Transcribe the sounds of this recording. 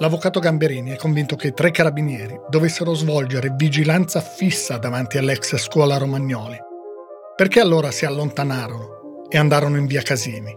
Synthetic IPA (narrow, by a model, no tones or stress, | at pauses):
lavːokaːt̪oɡambeɾiːniɛkːoɱvint̪oket̪ːɾekːaɾabinjɛːɾid̪ovesːeɾozvɔld͡ʒeɾevid͡ʒilant̪safisːad̪avant̪ialːɛksskwɔːlaɾomaɲːɔːli | perkealːoːɾasialːont̪anaːɾono | eand̪aːɾonoiɱviːakaziːni